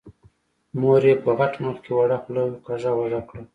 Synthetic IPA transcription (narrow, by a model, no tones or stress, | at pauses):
moɾepəɣaʈmʊlkewaɽaxlaqazawaʐakɽa